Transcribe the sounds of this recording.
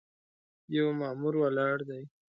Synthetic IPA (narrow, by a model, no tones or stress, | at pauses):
jawmɑmuɾwalɑɽd̪aj